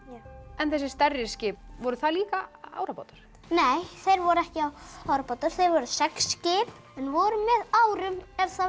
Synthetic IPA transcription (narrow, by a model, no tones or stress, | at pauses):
ɛnθɛs̬ɪ̥st̪ɛrːɪscɪːpvɔɾʏθaliːkaa̰ːwɾapa̰wt̪ʏɾ̥ | neːjθejɾvɔɾʏɛhcɪawawɾapaːwt̪ʏɾ̥θejɾvɔɾʏsɛksːcɪːp | ɛnvɔɾʏmɛðawɾʏmɛɾθa